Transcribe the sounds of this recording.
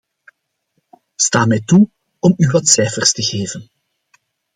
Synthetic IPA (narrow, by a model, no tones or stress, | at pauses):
staːmɛjtu | ɔmywɑtsɛjfərstəɣeːvən